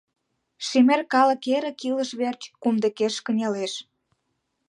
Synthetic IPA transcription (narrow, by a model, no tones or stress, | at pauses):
ʃemerkɑlə̆keɾə̆kilə̆ʃβert͡ɕkumd̪ə̆keʃkə̆nʲɑleʃ